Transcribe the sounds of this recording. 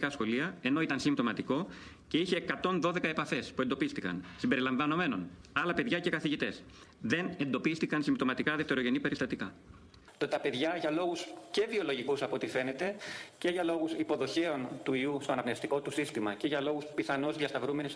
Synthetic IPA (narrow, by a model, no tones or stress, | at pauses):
kɐsxo̞liɐe̞no̞it̪ɐnsimpt̪o̞mɐt̪iko̞ | ce̞içeːkɐt̪o̞nðo̞ðe̞kɐe̞pɐfe̞spue̞nd̪o̞pist̪ikɐ̰nsimbe̞ɾilɐɱvɐno̞me̞no̞̰nɐlɐpe̞ðʝɐce̞kɐθiʝit̪e̞sðe̞ne̞nd̪o̞pist̪ikɐnsimbt̪o̞mɐt̪ikɐðe̞ft̪e̞ɾo̞ʝe̞nipe̞ɾist̪ɐt̪ikɐ | t̪ot̪ɐpe̞ðʝɐʝɐlo̞ɣusce̞vio̞lo̞ʝikusɐpo̞t̪ife̞ne̞t̪e̞ce̞ʝɐlo̞ɣusipo̞ðo̞çe̞o̞nt̪uiust̪o̞ɐnɐpnest̪iko̞t̪usist̪imɐce̞ʝɐlo̞ɣuspiθɐno̞zðiɐst̪ɐvɾume̞nis